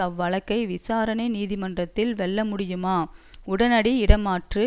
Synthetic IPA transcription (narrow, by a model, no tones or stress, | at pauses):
ɐʋːɐɭɐkːɐɪʋɪsaːɾɐnɐɪniːðɪmɐndrɐt̪ːɪlʋɛɭːɐmʊɽɪjɯmaːʊɽɐnɐɽiɪɽɐmaːʈrɯ